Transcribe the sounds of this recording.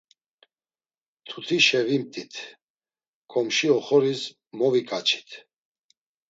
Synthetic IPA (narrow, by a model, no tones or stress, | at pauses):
t̪ʰut̪ʰiʃɛvimt̪ʼit̪ʰ | kʼɔmʃiɔχɔɾis | mɔvikʼat͡ʃʰi̥t̪ʰ